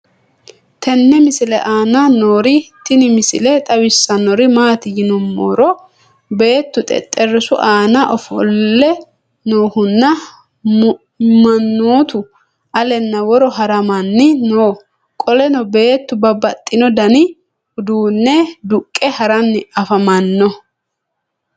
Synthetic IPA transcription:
t̪ʰɛnːɛmɪsɪlɛʔaːnɐnoːɾɪt̪ɪnɪmɪsɪlɛt̪ʼɐwɪsːɐnːɔɾɪmaːt̪ɪjɪnɔmːo̰ːɾɔ | be̞ːt̪ːʊt̪ʼɛ̰t̪ʼːɛrːɪsʊʔaːnɐʔɔfɔlːɛ | noːhʊnːɐ | mɐnːoːt̪ʊ | ɐlɛnːɐwɔɾɔɦɐɾɐmɐnːɪnoː | kʼɔlɛnɔbe̞ːt̪ːʊbɐbɐt̪ʼːɪnɔd̪ɐnɪ | ʊd̪uːnːɛd̪ʊkʼːɛhɐɾɐnːɪɐfɐmɐnːɔ

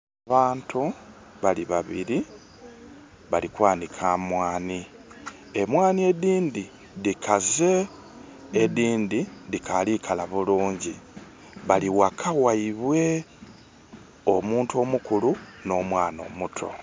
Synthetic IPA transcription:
aβaːntu | βaliβaβiɾi | βalikwaːndikʰaːmwaːni | emwaːnie̞diːndi | ðikʰaze̞ː | diːndidikʰalikʰalaβuluːɲɟi | βaliwakʰawaiβwe̞ | omuːntuo̞ːmukuluno̞ːmwaːno̞̰ːmutʰo̞̰

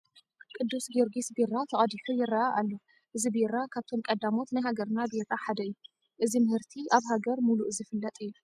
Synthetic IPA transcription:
kʼɨd̪ːusɡɨɾɡisbiɾat̪ʰɐχʼɐd̪iħujɪrːaʔaʔalːo | ʔɨzibiɾakʰaβt̪ʰo̞mkʼɐd̪amo̞t̪najɦaɡɐɾnabeɾaħad̪ɐjːu | ʔɨzimɨhɨɾt̪ʰiʔaβhaɡɐɾmuluʔɨzɨfɨlːɐt̪ʼɨjːu

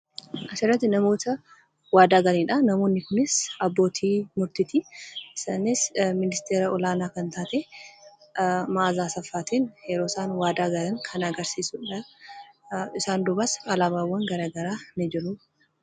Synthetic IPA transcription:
ʔɐsɪrːɐt̪ːɪnɐmo̞ːt̪ɐ | waːd̪aːɡɐliːᶑɐnɐmo̞ːnːɪkʊnɪsɐbːo̞ːt̪ʰiːmʊɾt̪ɪt̪iɪsaːnɪsmɪnɪst̪eːɾɐɔlaːnaːkɐnt̪aːt̪eː | maːzaːsɐfːaːt̪ʰeːnjɛɾoːsaːnwaːd̪aːɡɐlɐŋkʰɐnɐɡɐɾsiːsʊᶑɐ | ɪsaːnd̪ʊbɐsɐlabaːwːɐŋɡɐɾaːɡɐɾaːnɪd͡ʒɪɾʊ

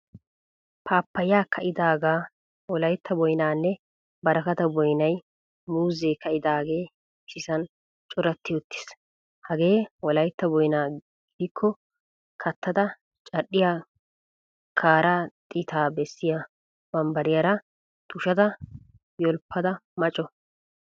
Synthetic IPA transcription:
pʰaːpːɐjaːkʰɐʔɪd̪aːɡaː | wɔlɐjt̪ːɐbɔjnaːnːɛ | bɐɾɐkɐt̪ɐbɔjnɐj | muːzeːkɐʔɪd̪aːɡe̞ː | sɪsɐn | t͡ʃʼɔɾɐt̪ːɪjɔt̪ːɪ̥s | hɐɡe̞ːwɔlɐjt̪ːɐbɔjnaː | ɡɪd̪ɪkʰːɔ | kʰɐt̪ːɐd̪ɐ | t͡ʃʼɐɗːɪjaː | kʰaːɾaːt̪ʼɪt̪ʰaːbɛsːɪja | bɐmbɐɾɪjɐɾɐ | t̪ʊʃɐd̪ɐ | jɔlpʰːɐd̪ɐmɐt͡ʃʼːɔ

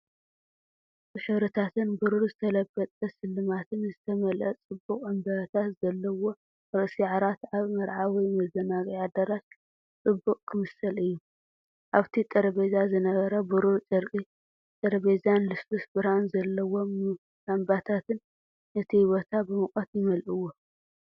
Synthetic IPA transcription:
ɨʃɐɾɐt̪ʰat̪ʰɨnbɨɾuɾzɨt̪ʰɐlɐbːɐt̪ʼɐsɨlːɨmat̪ʰɨnzɨt̪ʰɐmɐlʔɐt͡sʼɨbːukʼɨmbɐt̪ʰat̪z̥ɐlːɐwo̞ | ɾɨʔsiʕaɾat̪aβmɐɾʕawijmɐzɐnaɡʼjad̪ɐɾat̪̚ | t͡sʼɨbːukʼkʰɨmɨsɐlɨjːu | ʔaβt̪ʰit̪ʼɐɾɐβezazɨnɐɡɐɾɐbuɾuɾt͡ʃʼɨɾkʼi | t̪ʼɐɾɐβezanlɨsosbɨɾanzɐlːɐwo̞ | ambat̪ʰat̪ʰɨn | ɨt̪ʰihiβo̞t̪ʰabɨmɨkʼɐt̪jɪmɐlʔɨwːo

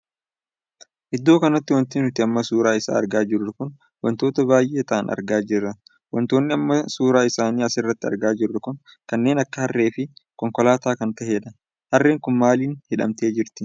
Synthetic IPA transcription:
ʔɪd̪ːo̞ːkɐnɐt̪ːɪwɐnt̪ɪːnʊt̪ɪɐmːɐsuːɾaːɪsa̰ːɐ̰ɾɡaːd͡ʒɪɾːɐkʊn | wɐnt̪o̞ːt̪ɐbaːjʔeːt̪ɐʔɐnɐ̰ɾɡaːd͡ʒɪrːɐ | wɐnt̪o̞ːnːɪɐmːɐsuːɾaːɪsaːniːɐsɪrːɐt̪ːɪɐ̰ɾɡaːd͡ʒɪrːɐkʊn | kɐnːeːnɐkːɐhɐrːe̞ːfɪkɔŋkɔlaːt̪aːkɐnt̪ɐɦeːᶑ̪ɐ | hɐrːe̞ːŋkʊnmaːliːnhɪᶑɐ̰mt̪e̞ːd͡ʒɪɾt̪ɪ

